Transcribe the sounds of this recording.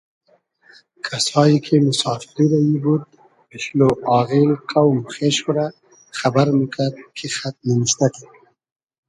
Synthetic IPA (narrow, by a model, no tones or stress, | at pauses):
kʰasɑjikʰemʊsɑfɪɾiɾajibud̪̚ | pɪʃloʔɑɣilqʰawmxeʃuɾa | xabaɾmikʰad̪̚kʰexat̪̚nɪnɪʃt̪ake